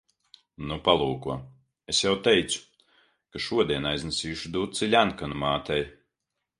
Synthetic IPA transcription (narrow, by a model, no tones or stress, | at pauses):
nupalˠuːkuɔ | esjawt̪ɛjt̪su̥ | kaʃuɔd̪iɛnajznɛsiːjuʃud̪uːt̪t̪silʲænkanumaːt̪ɛj